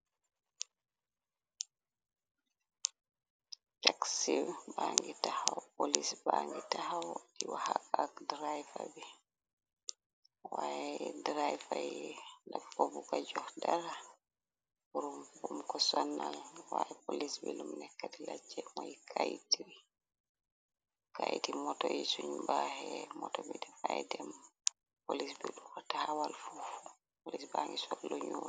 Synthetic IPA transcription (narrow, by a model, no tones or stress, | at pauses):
t͡ʃaksiwbaŋɡitahawpolisbaŋɡitahawdiwahaakdɾajfabɛ | wajɛdɾajfajɛnakfɔbukad͡ʒɔhdaɾa | buɾumbumkɔsɔnːalwaʔɛpolisbɛlumnɛkːatilad͡ʒɛmɔjkʰajtiɾi | kajtimɔtɔjisuɲbahɛmɔtɔbidɛfajɛdɛm | polisbiɗukɔtahawalfuf | polisbaŋɡisɔlːoɲu